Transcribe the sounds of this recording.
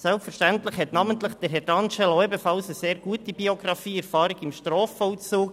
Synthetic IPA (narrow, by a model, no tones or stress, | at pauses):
sɛlpfɛɾʃtæntlɪχhɛt̪nɑːmənt̪lɪχd̪̥əɾɦɛɾdɑnʃɛloebəfɑlsəseːɾɡ̥uətibioɡɾɑfiːɛɾfɑːɾɪɡɪmʃtɾɔːfɔlt͡suːk